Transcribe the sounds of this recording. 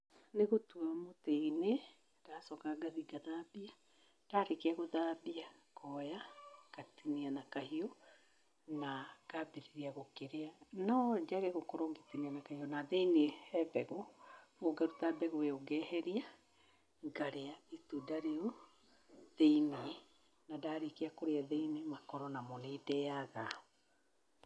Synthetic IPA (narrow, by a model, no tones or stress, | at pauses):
neɣotuamoteine | ɾasɔkaɡaðiɡaðaːbia | taɾekeaɣoðabiakɔjakatinianakahiɔ | nakabeɾeɾiaɣokeɾeanad͡ʒaɣeɣokɔɾoŋɡetinianakahiɔnaðeineɛbɛɣomoɡaɾut̪abɛɣoeoɡɛɦɛɾia | ɡaɾeaitudaɾio | ðeini | nadaɾekeakoɾeaðeinemakɔɾɔnamonedɛaɣa